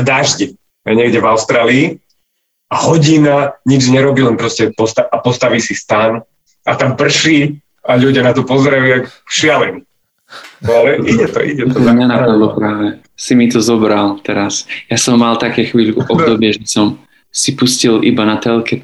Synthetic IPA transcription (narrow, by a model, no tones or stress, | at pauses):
d̪aːʒɟɛ | ɛɲɛɡɟɛvaʊst̪ɾaːliː | ahɔɟinaɲid͡ʒɲɛɾɔbilɛnpɾɔscɛpɔst̪aʔapɔst̪aʋiːsist̪an | at̪ampr̩ʃiː | aʎuɟɪanat̪ɔpɔzɛɾajut̪akkʃɪalɛɲi | alɛʔiɟɛt̪ɔ̰ʔḭɟɛt̪ɔmɲanapad̪lɔpɾaːʋɛ | simit̪ɔzɔbɾalt̪ɛɾasjasɔmːalt̪akɛːxʋiːlkuʔɔbd̪ɔbɪɛʒɛsɔm | sipuscilʔibanat̪ɛlkɛ